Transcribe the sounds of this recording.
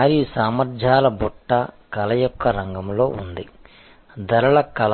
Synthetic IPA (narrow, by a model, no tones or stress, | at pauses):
ɾiusaːmɐɾd͡ʒʱaːlɐbɔʈːɐkɐlɐjɔkʰːɐɾɐŋɡɐmlo̞̰ːund̪i | d̪ɐɾɐɭɐkɐl